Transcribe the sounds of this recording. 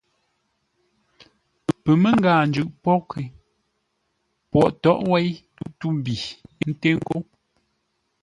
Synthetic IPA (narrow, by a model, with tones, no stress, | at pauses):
pə˨pə˨me˦ŋ˦ɡaː˨nd͡ʒʉ˨ʔpɔ˦kʰe˨ | pwɔ˨ʔtɔ˦ʔwɛ˦j | u˦tu˦bi˨˦n̩˦te˦ŋ˦ko˦